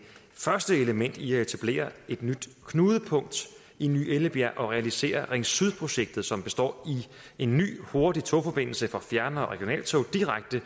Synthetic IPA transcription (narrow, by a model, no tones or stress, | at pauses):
fɶɐsd̥əe̝ləmen̰d̥iæe̝t͡sʰæb̥le̝̰ːɐe̝d̥nyd̥kʰnuːðˠəpʰɔ̽ŋ̰d̥ | iny̰ːeləb̥jæʔɒ̽ʁɛælise̝̰ːɐʁeŋsyð̞ˠpʰʁo̝ɕeɡ̥̚d̥ð̞̩ˠsɒ̽mb̥e̝sd̥ɒ̰ːi | e̝nːy̰ːho̝ɐd̥it͡sʰofɒ̽b̥e̝n̰l̩səfɒ̽fjæɐnɐɒʁɛɡ̥jo̝nɛ̰ːlt͡sʰoʊd̥iʁaɡ̥̚d̥ə